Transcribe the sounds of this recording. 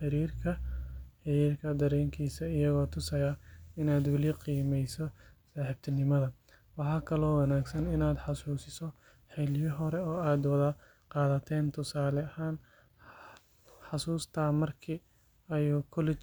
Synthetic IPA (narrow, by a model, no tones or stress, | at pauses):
ħɪɾiːrkʰɐħɪɾiːrkʰɐd̪ɐɾɛːŋkʰiːsɐɪjɐɣɔːt̪ʰʊsɐjɐɪnaːd̪wɐlɪqiːmɛjsɔsaːħɪb̚t̪ʰɐnɪmɐðɐ | wɑħɑːkʰɐlɔːwɑnaːɡsɐnɪnaːd̪ħɑsuːsɪsɔ | ħɪljɔɦɔɾɛɔːaːd̪wɐðɐ | qɑːðɐt̪ʰɛːnt̪ʰʊsaːlɐhaːn | ħɑsuːst̪ʰaːmɐrkʰiː | ɐjukʰɔlɛt͡ʃ